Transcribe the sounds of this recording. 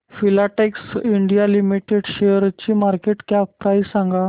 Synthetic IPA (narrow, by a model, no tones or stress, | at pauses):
filaʈeksiɳɖijalimiʈeɽɕeɾt͡ɕiːmaɾkeʈkappɾajzsãŋɡa